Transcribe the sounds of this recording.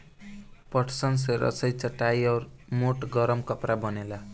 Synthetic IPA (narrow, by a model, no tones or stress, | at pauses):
pʌʈʰsʌns̬eɾʌ̰sʌjt͡sʌʈːajʌrmoʈɡʌɾʌmkʌpɾabʌnela